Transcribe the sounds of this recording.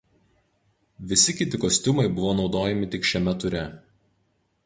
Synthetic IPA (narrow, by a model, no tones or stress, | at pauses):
ʋʲɪsʲɪkʲɪt̪ʲɪkosʲt̪ʲʊmɐɪbʊʋoːnɒʊd̪oːjɛmʲɪt̪ʲɪkʃʲɛmʲɛt̪ʊɾʲɛ